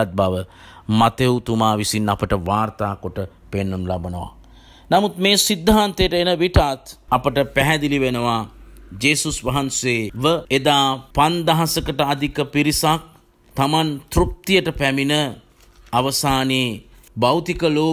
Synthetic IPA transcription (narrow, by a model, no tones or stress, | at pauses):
t̪̚baʋə | mat̪eut̪umaːʋisinːapəʈəʋaːɾt̪aːkoʈə | penːənulabənəʋa̰ | namut̪meːsid̪ʱːaːnt̪ejəʈəenəʋiʈat̪apəʈəpæɦɛd̪iliʋenəʋad͡ʒeːsusʋɐɦanseːʋəed̪aːpand̪aɦasəkəʈəad̪ikəpiɾisak̚ | t̪amant̪ɾuk̚t̪ijəʈəpæminə | aʋəsaːneː | bawt̪ikəloː